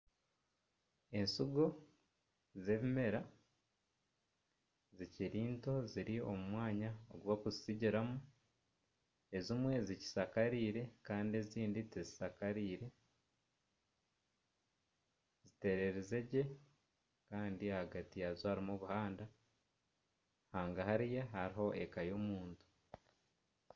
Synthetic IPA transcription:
e̞nsuɡo̞ | ze̞βime̞ɾa | ziciɾiːnto̞ziɾio̞̰mumwaːɲaoɡuβakuzisiɟiɾamu | e̞zimwe̞zici̥sakaɾiːɾe̞kaːndieziːnditezisakaɾiːɾe̞ | zite̞ɾe̞ɾeze̞ɟe̞ | kaːndiahaɡatijazohaɾimoβuhaːnda | haːŋɡahaɾijahaɾiɦo̞ʔekajomuːntu̥

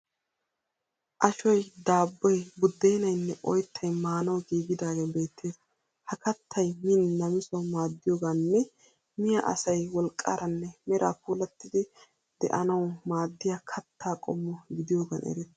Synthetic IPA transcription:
ʔɐʃɔjd̪aːbːɔjbʊd̪ːejnɐjnːɛʔɔjt̪ʰːɐjmaːnɐwɡiːɡɪd̪aːɡeːbe̞ːt̪ʰːeːs | hɐkɐt̪ʰːɐjmɪnːɐmɪsɐwmaːd̪ːɪjoːɡaːnːɛ | mɪjɐʔɐ̰sɐjwɔlkʼːa̰ɾɐnːɛmɛɾʔa̰ːpuːlɐt̪ːɪd̪ɪ | d̪̥ɛ̰ʔɐnɐwmaːd̪ːɪjakʰɐt̪ʰːaːkʼɔ̰mːɔɡɪd̪ɪjoːɡɐ̰nʔɛ̰ɾɛd̪

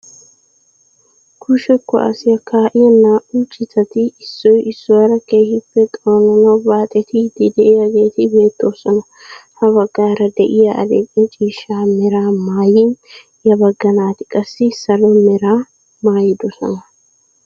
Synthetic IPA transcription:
kʰʊʃɛkːɔ̰ʔɐ̰sɪjɐkʰaːʔɪjɛnːaːʔʊt͡ʃʼːɪt̪ːɐt̪ɪɪsːɔjɪsːɔwɐɾɐkeːhɪpːɛt̪ʼoːnɐnɐwbaːt̪ʼɛt̪ɪd̪ɪd̪ɛʔɪjɐɡe̞ːt̪ɪbe̞ːt̪ːo̞ːsɔnɐ | hɐβɐɡːaːɾɐd̪ɛʔɪjɐʔɐ̰lḛkʼɛt͡ʃʼiːʃːaːmɛɾaːmaːjɪn | jɐbɐɡːɐnaːt̪ɪ̥kʼɐsːɪsɐlɔmɛɾaː | maːjɪd̪ɔsɔ̰nɐ

